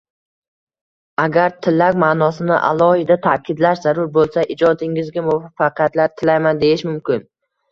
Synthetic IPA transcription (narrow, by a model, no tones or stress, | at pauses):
aɡʲaɾt̪ʰɪlːakʲmaːnɒsɪnɪ̰ʔa̰lˠɒhɪd̪at̪ʰakʲɪd̪laʃzaɾʊɾbolˠsaʔɪd͡ʒɒd̪ɪŋɪzɡʲamʊvafaqʰjat̪laɾt̪ʰɪlajmand̪ejɪʃmʊmkʲɪn